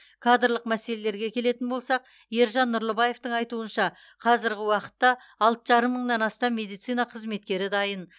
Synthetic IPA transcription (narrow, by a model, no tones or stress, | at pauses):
kʰad̪ɾlˠəqmæse̞le̞le̞ɾɡʲe̞kʲʰe̞le̞t̪ɪnbo̞lˠsɑq̚ | je̞ɾʒɑnːʊɾlˠəbɑje̞ft̪əɴɑjt̪uənʃɑ | qʰɑzɪɾɡʲɪwɑqə̥t̪ːɑ | ɑlˠt̪əʒɑɾəmːəɴnɑnɑst̪ɑmmːe̞d̪ijt̪sijnɑqʰəzme̞t̪̚kʲe̞ɾɪd̪ɑjən